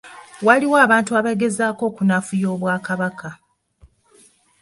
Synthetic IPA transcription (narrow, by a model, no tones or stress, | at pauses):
waliwaːβaːntuaβaɡe̞zaːko̞ːkunafujo̞ːβwaːkaβaka